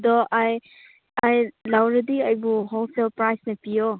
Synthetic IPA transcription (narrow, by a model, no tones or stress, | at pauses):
dɔʔaj | ajlawɾɐdiɐjbuɦolsʰelpɾajsnɐpijɔ